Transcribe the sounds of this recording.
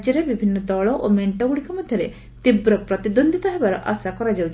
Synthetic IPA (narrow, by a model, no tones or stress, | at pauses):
d͡ʒjɔɾebibʱinːɔd̪ɔɭɔʔomeɳʈɔɡuɽikɔmɔd̪ʱjɔɾe | t̪ibɾɔpɾɔt̪id̪ond̪ʱit̪ɔɦebaɾɔʔa̰sakɔɾad͡ʒawt͡ʃ